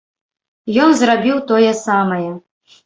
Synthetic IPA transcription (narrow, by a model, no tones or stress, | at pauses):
jɔnzrabʲiwt̪ɔjɛsamɐjɛ